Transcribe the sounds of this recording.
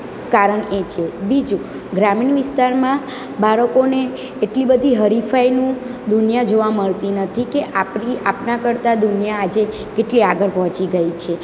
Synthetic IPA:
kaɾəɳet͡ʃʰebid͡ʒu | ɡɾaminʋɪst̪aɾmã | baɾəkoneː | ʈlibəd̪ʱiɦəɾifainũd̪unijad͡ʒoʋaməɭt̪inət̪ʰikeʔapniapnakəɾt̪ad̪unijaːd͡ʒe | keʈliaɡəɾpɔɦɔ̃t͡ʃiɡəit͡ʃʰe

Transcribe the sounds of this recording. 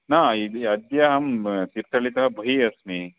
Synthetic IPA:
naːid̪iɐd̪jaɦɐmt̪iɾt̪ɐɭit̪ɐɦɐbʱɐɦiɐsmi

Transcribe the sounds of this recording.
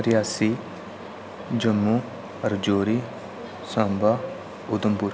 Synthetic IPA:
ɾɪjaːsi | d͡ʒəmːuː | ɐɾd͡ʒoːɾiː | sãmbaː | ʊd̪əmpuɾ

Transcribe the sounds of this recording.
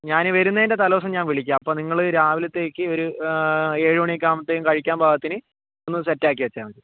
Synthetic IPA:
ɲaːnɨʋɐɾunːɐinde̞t̪ɐlɐʋɐs̬ɐmɲaːnʋiɭikʲːaːmɐpːoːniŋːɐɭɨɾaːʋilɐt̪ːe̞ːkʲːɨo̞ɾu | eːɻiʋɐɳek̬ʲːaːmɐt̪ːeːjumkɐɻikʲːaːmbʱaːɡɐt̪ːinɨ | onːɨsetːaːk̬ʲːiʋɐt͡ɕːaːuɳɖ̪ɨ

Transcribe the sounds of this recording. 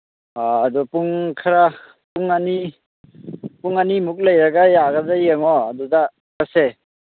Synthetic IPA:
aːdupuŋkʰaɾa | puŋani | puŋanimuk̚ləjɾaɡajaɡadajaŋɔːduda | kase

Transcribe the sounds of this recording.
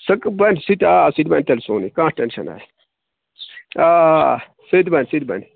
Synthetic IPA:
sɐkbɐnsit̪asid̪bɐnt̪ɐlsoːnikãːsʈenʃɐ̰na̰ː | aː | sɨd̪bɐnsid̪̚bɐ̰n

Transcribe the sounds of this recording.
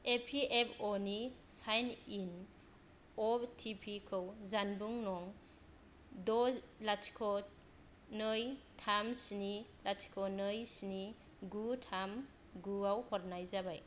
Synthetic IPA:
epʰiepʰonisajnin | ɔtʰipʰikʰɯwzanbuŋnɔŋ | dɔlatkʰɔ | nɯjtʰamsnilati̥kʰɔnɯjsni | ɡutʰam | ɡuawhɔɾnajzabaj

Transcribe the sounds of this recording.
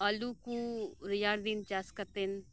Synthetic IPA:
alukuɾijaːɽd̪int͡ʃaːskɐt̪en

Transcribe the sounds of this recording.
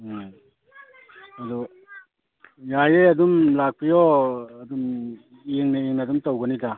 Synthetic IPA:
adɔ | jajeadumlak̚pʰijɔɐdum | eŋnaeŋnadumtawɡɯnika

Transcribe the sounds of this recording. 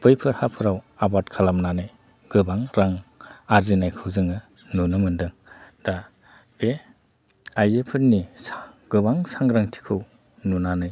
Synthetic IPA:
b̥ɯjpʰɯɾhapʰɯɾawabatkʰalamnanɯj | ɡ̥ɯbaŋɾaŋaɾzinajkʰɯwzɯŋɯ | nunɯmɯndɯŋda | b̥e | ajzepʰɯɾnisaɡ̥ɯbaŋsaŋɾaŋtʰi̥kʰɯw | nunanɯj

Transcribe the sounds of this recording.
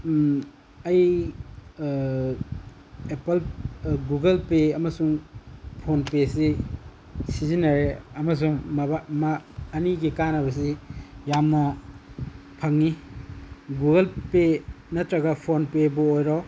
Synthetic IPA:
ɐj | epɐlɡuɡɐlpeɐmɐsuŋpʰonpesi | sizinːɐɾeɐmɐs̬uŋmbamaːniɡikanɐbɐs̬ijamnɐ | pʰɐŋni | ɡuɡɐlpe | nɐtɾɐɡɐpʰonpebɔojɾɔ

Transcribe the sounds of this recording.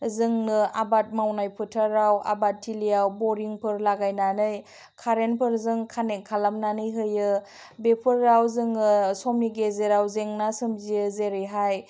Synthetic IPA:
zɯŋnɯabat̚mawnajpʰɯtʰaɾawa̰bat̚ʰːilijawbɔɾiŋpʰɯɾlaɡajnanɯj | kʰaɾenpʰɯɾzɯŋkʰanekʰalamnanɯjɦɯjɯ | bepʰɯɾːawzɯŋɯsɔmiɡezeɾawzeŋnasɯmzijɯzeɾɯɦaj

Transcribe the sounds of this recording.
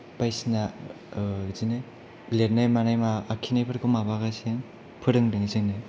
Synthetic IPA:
pajsina | zinɯj | ɡleɾnajmanajmaːkʰinajpʰɯɾkʰɯmabaɣaseŋ | pʰɯɾɯŋdɯŋizɯŋnɯj

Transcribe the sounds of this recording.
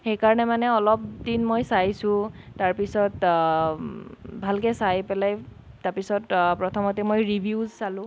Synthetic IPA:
xejkaɹɔnɛmanɛɔlɔp̚dinmojsajsʊ̃taɹpisɔt | bʱalkɛsajpɛlaj | taɹpisɔtpɹɔtʰɔmɔtimojɹibʱiuzsalʊ̃

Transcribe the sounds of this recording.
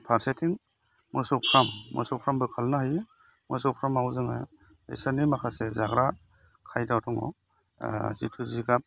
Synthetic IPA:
pʰaɾsetʰiŋ | mɯsɔwpʰɾamːɔ̰sɔwpʰɾambɯkʰalnahɯj | mɯ̰sɔwpʰɾamawzɯŋa̰j | ḛsɯnimakʰasezaɡɾa | kʰajdawtʰɔŋɔ̰ | zitʰuziɡap̚

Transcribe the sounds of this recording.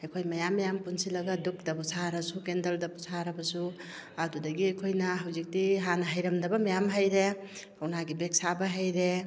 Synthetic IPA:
ajkʰojmɐjamːɐjampunsilɐɡɐduk̚dɐpusʰaɾɐsukendɐldɐpusaɾɐbɐsu | ɐdudɐɡiajkʰojnɐɦawzik̚diɦanɐɦajɾɐmdɐbɐmajamɦajɾe | kawnaɡibek̚sabɐɦajɾe

